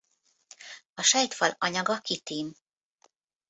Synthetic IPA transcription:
ɒʃɛjt̪fɒlɒɲɒɡɒkit̪iːm

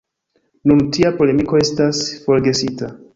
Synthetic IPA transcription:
nuntiapo̞le̞miko̞e̞stasfo̞ɾɡe̞sita

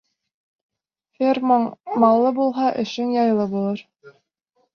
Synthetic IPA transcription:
fermmɑlˠːɤbulˠɦɑʔɘ̆ʃɘŋjɑjlˠɤbulˠɤɾ

